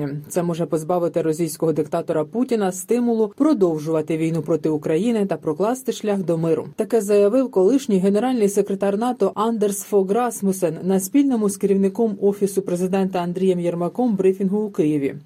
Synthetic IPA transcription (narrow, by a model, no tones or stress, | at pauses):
it̪sɛmɔʒɛpɔzbɑʋɪt̪ɪɾɔsʲijsʲkɔɦɔd̪ɪkt̪ɑt̪ɔɾɐputʲinɐst̪ɪmʊlˠʊpɾɔd̪ɔwʒʊʋɐt̪ɪʋʲijnupɾɔt̪ɪʊkɾɐjinɪt̪ɐpɾɔklˠɑst̪ɪʃlʲaxd̪ɔmɪɾʊ̰t̪ɐkɛzɐjɐʋɪwkɔlˠɪʃnʲɪjɦe̞ne̞ɾɑlʲnɪjse̞kɾʲet̪ɑrnɑt̪ɔʔɑnd̪ersfɔɡɾɑsmʊsɛnːɐsʲpʲilʲnɔmʊskɪɾʲiwnɪkɔmɔfʲisʊpɾezɪd̪ɛnt̪ɐɐnd̪ɾʲijɛmjɛrmɐkɔmbɾifʲinɦʊːkɪjiʋʲḭ